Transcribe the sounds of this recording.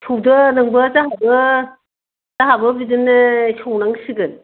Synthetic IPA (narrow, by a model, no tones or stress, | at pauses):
tʰowdɯnɯŋbɯzaɦabɯ | zaɦabɯbidɯnɯtʰɔwnaŋsɯɡɯn